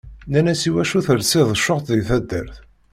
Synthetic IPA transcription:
nænæsiwæʃuθəɾsɪðˤəʃːoʁt̪ðiθæd̪ːə̰ɾθ

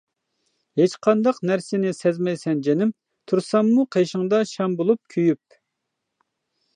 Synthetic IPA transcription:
het͡ʃqʰɑnd̪ɑqnæɾsɪnɪsɛzmɛjsɛnd͡ʒɛnɪm | t̪ʰuɾsɑmːuqʰeʃɪŋd̪ɑʃɛmbolˠup̚kʲʰyjyp̚

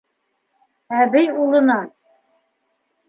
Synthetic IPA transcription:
æβɘjulˠɤ̆nɑn

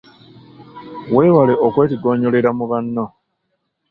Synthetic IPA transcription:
we̞ːwale̞ʔokwe̞ːtiɡo̞ːɲo̞leɾamuβanːo

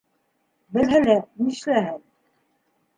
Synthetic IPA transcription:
bɘ̆lɦælæniʃlæɦɘn

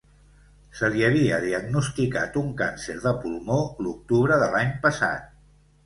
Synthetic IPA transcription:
səliəβ̞iəðiəɡnust̪ika̰t̪uŋkanseɾðəpulˠmoluk̚t̪uβɾəðəlaɲpəsa̰t̪̚

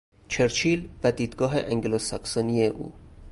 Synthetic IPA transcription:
t͡ʃʰeɾt͡ʃʰiːlvæd̪iːd̪ɡɒːɦḛʔæŋɡelosɒksɒːnieʔṵː

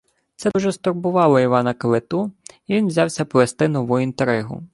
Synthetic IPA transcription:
t̪sɛuʒɛst̪ɔrbʊʋɑlˠɔiʋɑnɐkɐʋet̪uiʋʲinʋzʲɑwsʲɐpɔʋest̪ɪnɔʋujint̪eɾɪɦʊ̰

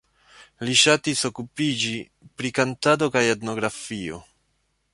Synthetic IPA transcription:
liʃatiso̞kupid͡ʒi | pɾikantado̞kajetno̞ɡɾafio̞

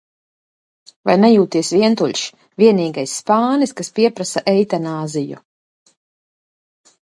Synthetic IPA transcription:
va̰jnɛjuːt̪iɛsviɛnt̪uʎʲʃ | viɛniːɡajsːpaːniskaspiɛpɾasaʔɛjt̪anaːzijṵ

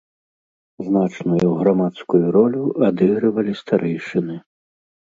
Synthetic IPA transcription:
znat͡ʂnujuɣɾamat̪skujuɾɔlʲuad̪ɨɣɾɨvɐlʲist̪aɾʔɛjʂɨnɨ

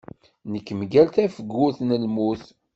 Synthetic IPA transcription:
nəkːmɡælt̪æfəɡːʊθnəlmuθ

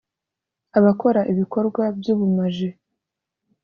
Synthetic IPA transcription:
aβako̞ɾaʔiβiko̞ɾɡwabjuːβumaʒe

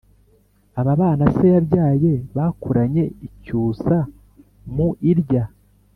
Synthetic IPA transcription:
aβaβaːnasejaɾɟaːje̞βakuɾaɲe̞icuːsa | muʔiɾɟa

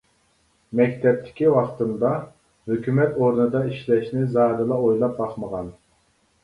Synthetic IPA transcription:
mɛkʲt̪ʰɛp̚t̪ʰɪ̥kʲiwɑχt̪ɨnd̪ɑ | høkʲymɛt̪oɾnɨd̪ɑiʃlɛʃnɪzɑɾɨlˠɑojlˠɑp̚bɑχməʁɑn

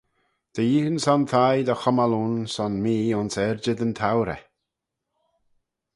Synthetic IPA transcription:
d̪̥əjiːənsɔnt̪ʰajd̪əxɔmalunsɔnmiːʊnsɛɾd͡ʒəd̪ənt̪ʰawɾɛ̰

